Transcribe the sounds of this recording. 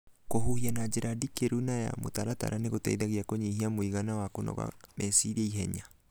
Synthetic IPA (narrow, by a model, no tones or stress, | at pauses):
kohuianad͡ʒeɾʔadikeɾunaja̰mo̰taɾata̰ɾʔaneɣotɛ̰iðaɣiakoɲehiamoiɣanawakonɔ̰ɣa̰mɛsiɾaiɦɛɲa